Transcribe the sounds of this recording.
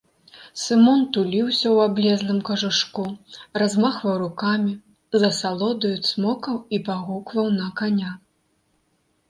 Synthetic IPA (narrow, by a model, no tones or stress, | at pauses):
sɨmɔnt̪ulʲiwsʲɐwablʲɛzlˠɨmkɐʐɨʂkurazmaxvɐwɾukamʲi | zɐsalˠɔd̪ɐjusmɔkɐwipaɣukvɐwnɐkanʲa